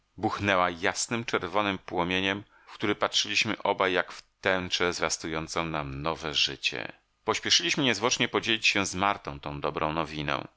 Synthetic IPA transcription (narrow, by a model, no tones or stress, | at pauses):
buxnɛwajasnɘmt͡ʂɛɾvɔnɘmpwɔmʲjeɲɛm | fkt̪uɾɘpatʂɘlʲiɕmɘʔɔbajːakft̪ɛnt͡ʂɛzvʲjast̪ujɔnt̪sɔ̃w̃namnɔvɛʐɘ̰t͡ɕɛ̰ | pɔɕpʲɛʂɘlʲiɕmɘɲɛzwɔt͡ʂɲɛpɔd͡ʑelʲit͡ɕɕɛ̃zmaɾt̪ɔ̃w̃t̪ɔ̃w̃d̪ɔbɾɔ̃w̃nɔvʲinɛ̰̃w̃